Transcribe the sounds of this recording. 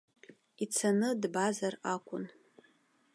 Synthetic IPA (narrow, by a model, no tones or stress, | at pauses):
it͡sʰanɨdbazarakʷʼʊ̰n